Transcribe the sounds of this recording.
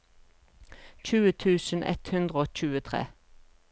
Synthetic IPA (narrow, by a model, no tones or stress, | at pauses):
c͡çʉːət̪ʰʉːsn̩ʔɛ̰t̪hʉnd̪ʁəoːc͡çʉːət̪ʰʁḛː